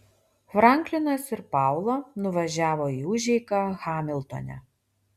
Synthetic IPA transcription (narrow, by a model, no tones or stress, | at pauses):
fɾɑˑŋʲklʲɪnɐsɪɾpɑˑʊlˠɐnʊʋɐʒʲæːʋoːiːʊʒʲɛɪkɐxɑːmʲɪlˠt̪o̰nʲæ̰